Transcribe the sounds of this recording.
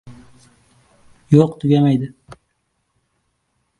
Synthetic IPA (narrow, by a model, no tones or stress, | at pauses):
joqt̪ʰʊɡʲamajd̪ɪ